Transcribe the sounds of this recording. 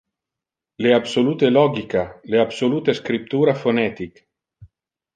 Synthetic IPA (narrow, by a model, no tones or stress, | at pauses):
leabsoluːt̪elɔɡikaleabsoluːt̪eskɾip̚t̪uːɾafonɛt̪ik